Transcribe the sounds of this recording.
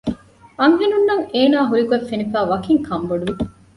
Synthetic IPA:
ɐŋɦinunːɐŋeːnaːɦuɾikuefːenifæːʋɐkiŋkʰɐmboɖuʋi

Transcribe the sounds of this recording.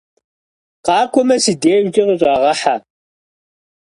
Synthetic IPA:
qɑːkʷʰʼɔmɐsideːʒʷtʼiʁəɕʷʼaːʁɐħa

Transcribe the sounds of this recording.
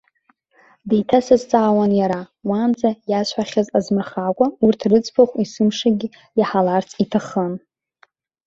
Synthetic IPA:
dejtʰasazt͡sʼaːwanjaɾa | wand͡zajaʃʷʰħaχʲazazmɨrχakʷʼaurtʰrɨt͡sʰʼpʰaχʷisɨmʂaɡʲi | jaħalart͡sʰʼitʰaχən

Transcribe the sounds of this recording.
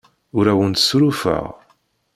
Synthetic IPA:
ʊɾæwənt̪sɾufə̰ʁ

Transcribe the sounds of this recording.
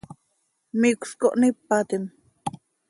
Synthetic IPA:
mikʷskoʔnipːat̪im

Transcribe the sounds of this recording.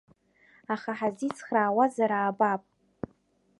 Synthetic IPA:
aχaħazit͡sʰχraːwazaɾaːbapʼ

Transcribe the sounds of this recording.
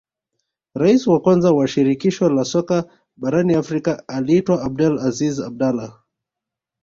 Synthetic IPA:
ɾaisiwakwanzawaʃiɾikiʃɔlasɔka | ɓaɾaniafɾikaaliːtwaab̚dɛlazizab̚dala

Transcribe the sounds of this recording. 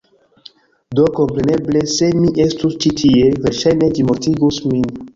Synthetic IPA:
doko̞mpɾe̞ne̞ble̞se̞miʔe̞stust͡ʃitʰie̞veɾʃajne̞d͡ʒimoɾtiɡusmin

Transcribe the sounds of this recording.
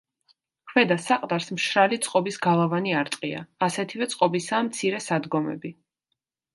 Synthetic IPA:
kʰvɛd̪asaqʼd̪aɾsmʃɾalit̪sʼqʼɔbisɡalˠavaniaɾt̪ʼqʼia̰ːsɛt̪ʰivɛt̪sʼqʼɔbisaːmt̪sʰiɾɛsad̪ɡɔmɛ̰bi

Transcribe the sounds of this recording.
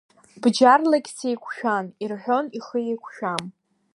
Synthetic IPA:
bd͡ʒarlakʲsejkʷʰʃᶣanirħʷᶣo̞niχəjejkʷʰʃᶣam

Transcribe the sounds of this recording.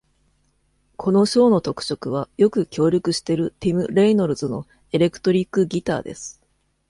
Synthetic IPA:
kʰo̞no̞ɕo̞ːno̞t̪o̞kɯ̟̥t͡ɕo̞kɯ̟β̞ajo̞kɯ̟kʲʰo̞ːɾʲokɯ̟ɕi̥t̪e̞ɾɯ̟t̪ʲimɯ̟ɾe̞ino̞ɾɯ̟zono̞̰ | e̞ɾe̞kɯ̟̥t̪o̞ɾʲikːɯ̟ɡʲit̪a̰ːd̪e̞sɨ̥

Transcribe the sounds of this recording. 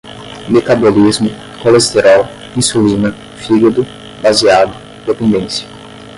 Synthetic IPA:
met̪abolizmʊ | kolest̪eɾɔl | ĩsulĩnɐ | fiɡɐd̪ʊ | baziad̪ʊ̃d̪epẽnd̪ẽsjɐ̥

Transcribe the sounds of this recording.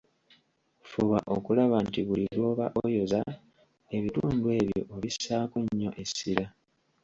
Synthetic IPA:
fuβaʔo̞kulaβantiβuliβoːβaʔojo̞za | e̞βituːndwe̞ːβjo̞̰ʔoβisaːkuɲːo̞̰ʔe̞sːiɾa

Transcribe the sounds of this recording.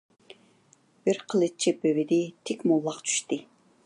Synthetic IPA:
b̥ɪɾqʰəlˠɨt͡ʃʰibøwɪd̪ɪt̪ʰekʲmolˠːɑqt͡ʃʰy̥ʃt̪ɨ

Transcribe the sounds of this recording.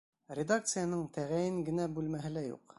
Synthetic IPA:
rʲɪd̪akt̪sɨjanɤɴt̪ʰæʁæjɘŋɡɘ̆næbʉlmæɦɘ̆læjṵq

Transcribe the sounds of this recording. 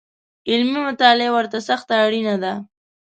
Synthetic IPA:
ɪlmimʊt̪ɑlewəɾt̪asaxt̪aːɽinad̪a

